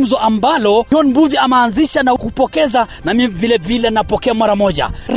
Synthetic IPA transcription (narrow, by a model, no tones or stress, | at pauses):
zɔʔambalɔɔnmbuðiamaːnziʃanaukupɔkɛza | namivilɛvilɛnapɔkɛamwaɾamɔʄa̰ɾ